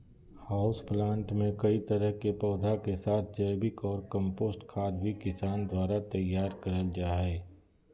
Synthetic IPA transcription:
haːʊsplãːɳʈmẽkɐit̪ɐɾəɦkepɔːd̪ʱakesaːt̪̚ʰd͡ʒɐɪbɪkɔːɾkə̃mpoːsʈkʰaːd̪bʱikɪsaːnd̪waːɾat̪ɐjːaːɾkɐɾəld͡ʒaːɦɛː

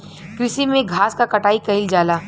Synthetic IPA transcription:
kɾɪsimẽɡʱaːskakɐʈaːikɐɪld͡ʒaːlaː

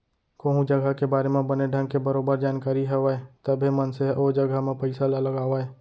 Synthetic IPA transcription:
koːɦũd͡ʒəɡakebaːɾemẽbəneɖʱə̃ŋɡkebəɾoːbəɾd͡ʒaːnkaːɾiɦɛʋaet̪əbʱemənseɦod͡ʒəɡʱamẽpəɪsalaləɡaːʋae

